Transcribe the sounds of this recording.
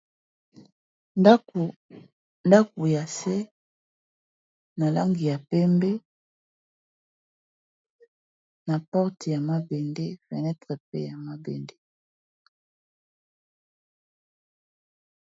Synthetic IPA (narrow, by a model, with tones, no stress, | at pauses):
nda˦ku˨ja˨sɛ˦ | na˨la˦ŋɡi˨ja˨pɛ˦mbɛ˦ | na˨pɔ˦ʁte˨ja˨ma˦bɛ˨nde˦fɛ˨nɛ˦tʁe˨pḛ˦ja˨ma˦bɛ˨nde˦